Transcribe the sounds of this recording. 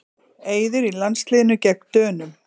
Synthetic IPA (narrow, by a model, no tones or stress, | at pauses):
eːjðɪɾilanslɪːɪnʏcɛk̚nt̪œːnʏm